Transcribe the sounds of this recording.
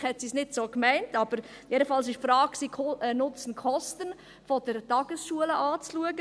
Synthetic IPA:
hɛtsisnɪtsoːkmæɪntɑb̥əɾ | jedəfɑlsɪʃfɾɑːk̚ksiːkʰɛnʊt͡sən̩kʰɔstən | fɔd̥əɾtɑɡ̥əsʃuələʔaːt͡sluəɡə

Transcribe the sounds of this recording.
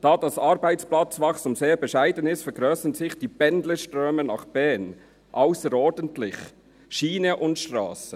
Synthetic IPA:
d̥ɑːdɑsɑːɾbæɪt͡splɑt͡svɑχsʊmseːɾbɛʃæɪdənɪstfɛɾɡɾœːsənzɪχd̥iːbɛndləʃtɾøːmənɑ̰χb̥ɛːn | ʔaʊsəɾɔːɾdəntlɪç | ʃiːnəʔʊntʃtɾɑ̰ːsə

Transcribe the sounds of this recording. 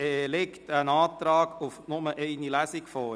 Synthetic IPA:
ɛːlektənɑːt̪ɾɑːɡufnʊməʔɛɪnilæsɪkfɔː

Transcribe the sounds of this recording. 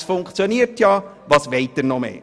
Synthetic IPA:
sfʊŋkt͡sjoniəɾtjɑː | ʋɑːsʋeɪtərnɔmḛː

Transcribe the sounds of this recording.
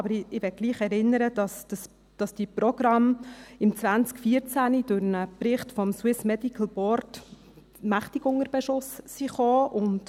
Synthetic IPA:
ɑbəɾɪʋɛt̚ɡ̥liːχɛɾɪnːəɾəd̥ɑsd̥əs | d̥ɑsd̥iprɔɡ̥ɾɑmɪmt͡sʋænt͡skfiːəɾt͡sænid̥ʊɾnəprɪχtfɔmswɪsmɛdikʰəl̩ˠb̥ɔɾt | mæχtɪɡʊŋəɾb̥ɛʃʊsːiχoːʔʊnt

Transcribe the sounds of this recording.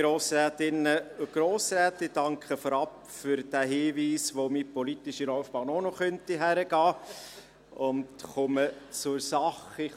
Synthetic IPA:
ɾoːsɾæːt̪ɪnːəʊɡ̥ɾoːsɾæːtɪd̥ɑŋkχəfɔɾɑp | fʏɾd̥æɦiːʋiːsʋomipɔlitɪʃilɔwfb̥ɑːnɔnɔχœntiɦæɾəɡ̥ɑː | ʊntχʊmət͡sʊɾsɑχɪ

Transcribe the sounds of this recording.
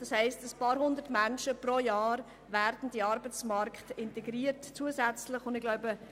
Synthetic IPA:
d̥ɑshɛɪstəspɑːɾɦʊnd̪ətmænʃəprojɑːɾ | ʋæːɾd̥n̩d̥iɑɾbət͡smɑɾktɪntɛɡɾiːəɾtt͡suəzɛt͡slɪχʊndɪɡlaʊbə

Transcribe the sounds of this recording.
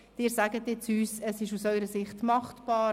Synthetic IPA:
d̥ɪːɾsæɡətːɪt͡syːsəsɪʃusœʏɾəsɪχtmɑχtb̥ɑː

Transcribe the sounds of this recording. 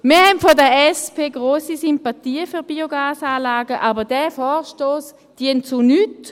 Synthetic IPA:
miːhɛnfodəɛspʰeːɡʁoːsisympatiːəfyʁbiːoɡaːsaːlaːɡəʔaːbəʁd̥ɛfɔːʁʃtoːs | d̥iəntt͡sunyt

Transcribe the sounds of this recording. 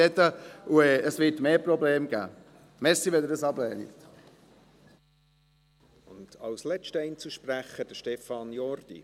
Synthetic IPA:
ɛt̪əuɛːəsʋɪtmeːprɔbleːmɡæ̰ː | mɛɾsiʋɛd̪əɾdəsɑblɛːnḭt̪ | ʊndɑwslɛt͡ʃtəɛɪnt͡suʃpræχəd̥əʃtɛfɑnjɔrd̥ḭ

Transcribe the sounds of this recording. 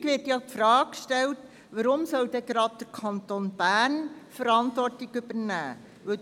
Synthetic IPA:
kʋɪːtjɑpfɾɑːkʃtɛlt | ʋəɾʊmsœld̥ɛɡɾɑd̚d̥əɾkʰɑntonb̥æːnfəɾɑntʋɔrtɪɡʏb̥əɾnæː | ʋɵ

